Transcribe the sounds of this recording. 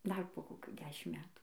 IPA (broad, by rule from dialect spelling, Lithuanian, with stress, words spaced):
dɐr poː koːˈkʲuː ˈdʲæːʃʲɪm ˈmʲæːtuː